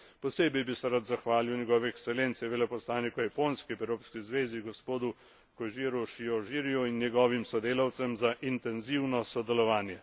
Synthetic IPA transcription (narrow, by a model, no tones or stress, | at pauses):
pɔseːbɛjbisɛɾat̪zaxʋaːliwnʲjɛɡɔːʋɛɛksɛlent̪sɛʋeːlɛpɔslaːnikɔjapoːnskipɛwɾoːpskizʋeːziɡɔspoːd̪u | kɔjʒiːɾuʃiɔʒiːɾijuinːjɛɡɔːʋimsɔd̪eːlawt̪sɛmzaʔint̪ɛnziwnɔsɔd̪ɛlɔʋaːnjɛ